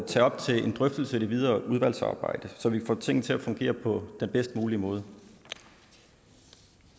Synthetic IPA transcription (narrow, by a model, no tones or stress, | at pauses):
t͡sʰɛ̰ːɒ̽b̥t͡sʰe̝e̝nd̥ʁœfd̥l̩səed̥iʋið̞ˠɐːʔuðˠʋæl̰sɑ̰̈ːb̥ɑ̈ɪ̰d̥əsɒ̽ʋifɒ̰ːt͡sʰe̝ŋ̰̩t͡sʰe̝æfɔ̽ŋɡ̥e̝̰ːɐpʰɒ̽d̥enb̥esd̥muːliəmɔ̽ːð̞ˠə